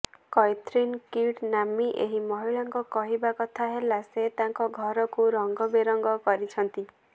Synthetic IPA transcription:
kɔjt̪ɾinkiʈnamiʔeɦimɔɦiɭaŋkɔkɔɦibakɔt̪ʰaɦelaset̪aŋkɔɡʱɔɾɔkuɾɔŋɡɔbeɾɔŋɡɔkɔɾit͡ʃʰɔnt̪i

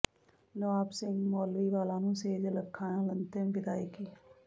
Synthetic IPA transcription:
noaːpsɪ̃ŋɡmoːlʋiːʋaːlãːnũːseːd͡ʒləkʰːãːnãlənt̪embɪd̪aːiːkiː

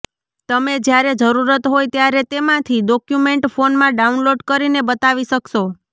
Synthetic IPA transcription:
t̪əmed͡ʒjaɾed͡ʒəɾuɾət̪ɦojt̪jaɾet̪emãt̪ʰiɖɔkjumeɳʈfonmãɖaunloɖkəɾinebət̪aʋiʃəkʃo

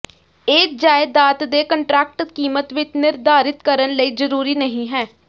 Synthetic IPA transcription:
eːkd͡ʒaːɪd̪aːt̪d̪eːkəɳʈɾɛːk̚ʈəkiːmət̪ʋɪt͡ʃnɪɾd̪aːɾɪt̪kəɾənləiːzəɾuːɾiːnəɦĩːɦɛː

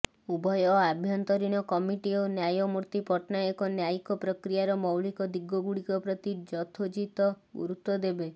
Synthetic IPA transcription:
ubʱɔjɔabʱjɔnt̪ɔɾiñɔkɔmiʈiɔnjajɔmuɾt̪ipɔʈnaɔkɔnjajkɔpɾɔkɾijaɾɔmɔwɭikɔd̪iɡɔɡuɽikɔpɾɔt̪id͡ʒɔt̪ʰod͡ʒit̪ɔ | ṵɾut̪ːɔd̪ebe

